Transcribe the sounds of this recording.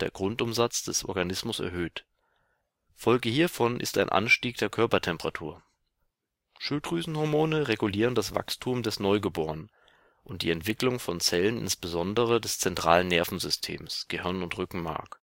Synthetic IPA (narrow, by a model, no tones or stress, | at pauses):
d̥eːɐɡʁʊntʊmzat͡sd̥ɛsʔɔ̰ɐɡanɪsmʊsɛ̰ɐhøːt | fɔlɡəhiːɐfɔnʔɪ̰sta̰ɪnʔa̰nʃtiːk̚d̥eːɐkʰœɐpɐtʰɛmpəʁ̥atʰṵːɐ | ʃʊltʁyːzn̩hɔɐmoːnəʁeɡuliːʁ̞əndasv̥a̰kstʰuːmdɛsnɔʏɡəboːʁən | ʔʊntd̥iːɛntv̥ɪklʊŋfɔnt͡sɛlənɪ̰nsb̥əzɔndəʁədɛst͡sɛntʁ̥a̰ːlənːɛɐfn̩zʏstʰḛːmsɡ̥əhɪɐnʊntʁʏkŋ̩ma̰ɐk